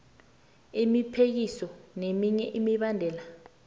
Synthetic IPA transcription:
imipʰek̬isɔnemiɲɛʔimiɓandʱɛːla

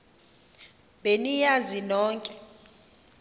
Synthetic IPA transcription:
benijazinɔːŋkʼɛ

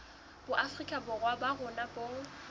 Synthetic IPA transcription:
b̥ʊʔafrikʼabʊrwabaɣʊnabʼo

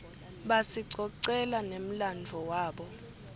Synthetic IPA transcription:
ɓasiǀɔǀɛlanem̩land͡vʱɔwaːɓɔ

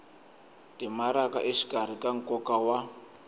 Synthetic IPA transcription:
tʼimaɾakaʔeʃi̥kʼar̤ikʼaŋ̩kʼɔkawa

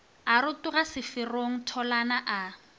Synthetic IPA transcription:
arʊtʊɣasɪfɪroŋ̩tʰɔlanaʔa

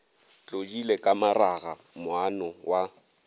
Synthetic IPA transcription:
t͡ɬʼod͡ʒilekʼamaraɣa | mʊanɔwa

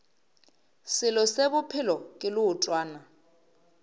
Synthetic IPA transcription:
sɪlɔsebʊpʰɪlɔkʼɪlʊːtʼwaːna

